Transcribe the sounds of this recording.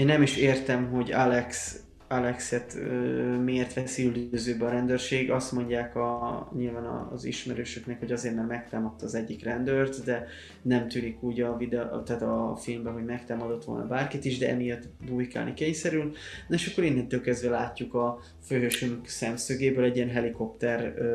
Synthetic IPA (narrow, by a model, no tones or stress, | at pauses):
eːnːɛmiʃeːrt̪ɛmɦo̞ɟalɛks | alɛksɛt̪ːmieːrt̪ʋɛsiyld̪øːzøːbɛɒɾɛnd̪øːrʃeːɡɡɒst̪mo̞ɲɟaːkɒɲilvaːnɒ̰zḭʃmɛɾøːʃøknɛkho̞ɟɒzeːrmɛrmɛk̚t̪aːmɒt̪ːɒːzɛɟːikrɛnd̪ørt̪d̪ɛ | nɛmt̪yːnikuːɟɒvid̪ɛt̪aːt̪ɒfilmbɛɦo̞ɟmɛk̚t̪aːmɒd̪o̞t̪ʋo̞̰lnɒ̰baːrkit̪iʒd̪ɛʔɛ̰mijɒt̪ːbuːjka̰ːlnikeːɲsɛɾylnoeʃɒkːo̞ɾinhɛnt̪ølkɛzd̪vɛlaːcːukɒ | føɦøʃymyksɛmsøːɡeːbøːlɛɟːijɛnɦɛliko̞pt̪ɛr